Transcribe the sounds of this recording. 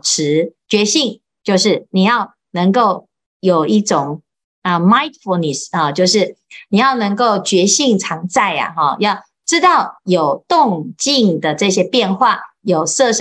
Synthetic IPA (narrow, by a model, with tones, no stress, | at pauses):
ʈ͡ʂʰɻ̩˧˥t͡ɕɥɛ˧˥ɕi˥˩ŋ | t͡ɕjo˥˧ʊʂɻ̩˥˩ni˨˩jɑ˥˩ʊ | nə˧˥ŋko˥˩ʊ | jo˨˩ʊi˥˩ʈ͡ʂʊ˨˩ŋ | ə˧ma˧˦ɪt̪fo˧ni˨˩sɔ˥˨˩t͡ɕjo˥˧ʊʂɻ̩˥˩ni˨˩jɑ˥˩ʊnə˧˥ŋko˥˩ʊt͡ɕɥɛ˧˥ɕi˥˩ŋʈ͡ʂʰɑ˧˥ŋt͡sa˥˩ɪa̰˨˩ɦɔ˥˩jɑ˥˧ʊ | ʈ͡ʂɻ̩˥t̪ɑ˥˩ʊjo˨˩ʊt̪ʊ˥˨ŋt͡ɕi˥˩ŋd̪ə˩ʈ͡ʂɤ˥˧ɕjɛ˥pjɛ˥˧nxwa˥˩jo˨˩ʊsɤ˥˧ʂ